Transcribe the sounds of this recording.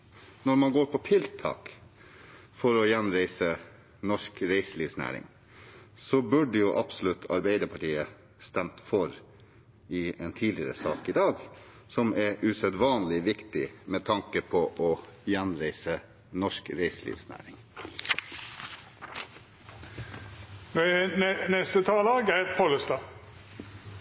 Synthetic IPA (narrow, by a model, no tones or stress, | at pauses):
nɔɾmɑnɡoːɾpʰɔt̪ʰɪlt̪ʰɑ̰ːk | fɔɾɔjɛnɾæɪsə | nɔʂkɾæɪsliːʋsnæ̰ːɾɪ̰ŋ | sɔbʉɖəjʊʔɑbsɔlʉt̪ʰːɑ̰ɾbæɪd̪əɾpʰɑʈiːə | st̪ɛmt̪fɔɾ | ɪɛnt̪ʰiːdlɪəɾə̰sɑːkɪd̪ɑːɡ | sɔmɛɾʔʉsɛd̪ʋɑːnlɪʋɪkt̪ɪmɛt̪ʰɑŋkəpʰɔʔɔjænɾæɪsə | nɔʂkɾeɪslḭːʋsnæ̰ːɾɪŋ | nonɛst̪ət̪ʰɑlɑːɡæpʰoləst̪ɑ